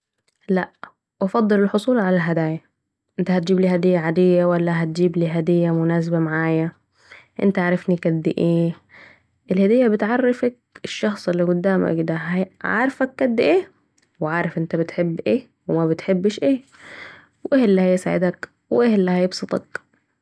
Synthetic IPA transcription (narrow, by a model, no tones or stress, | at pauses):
laʔ | wɑfɑd̪ˤːɨlɪlħʊsˤuːlʕalalɦad̪aːja | ʔɪnt̪ahat̪̚d͡ʒiːbliːhad̪ɪjːaʕad̪ɪjːawalːaɦat̪̚d͡ʒiːbliːɦad̪ɪjːamʊnaːs̬abamaʕaːja | ʔɪ̰nt̪aʕaʕɾˤɑfnikad̪ːɪʔeː | ʔɪlhad̪ɪjːabɪt̪ʕɑrːɪfak̚ɪʃːɑxsˤɪlːiɡʊd̪ːaːma̰kɪd̪aɦaʕa̰ːɾˤfakːad̪ːɪʔeː | wɪʕaːɾˤɑfʔɪnt̪abɪt̪ħɪbːʔeː | wɪmabɪt̪ħɪbːʃʔeː | wʔɪhɪlːihajsaːʕɪ̰d̪ak | wʔɪhlːihajɪbsˤɨt̪ˤɑ̰k